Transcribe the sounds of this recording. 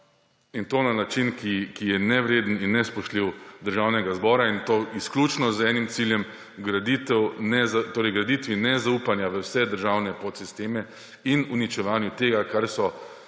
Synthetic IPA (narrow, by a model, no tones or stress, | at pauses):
int̪oːnanat͡ʃinkikijɛnɛʋɾeːd̪n̩inːɛspɔʃt̪liwd̪əɾʒawnɛɡazbɔːɾaint̪oisklʲuːt͡ʃnɔzɛːnimt̪siljɛm | ɡɾad̪it̪ɛwnɛzat̪oːɾɛjɡɾad̪it̪ʋinɛzaupanjaʋəwsɛd̪əɾʒawnɛpot̪sist̪eːmɛ | inunit͡ʃɛʋaːnjut̪eːɡakaɾsɔ